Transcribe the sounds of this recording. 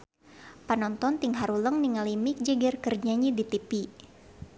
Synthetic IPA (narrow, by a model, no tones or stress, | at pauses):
panɔnt̪ɔnt̪iŋɦaɾuləŋniŋalimik̚d͡ʒɛɡɛrkərd͡ʒaɲidit̪ipi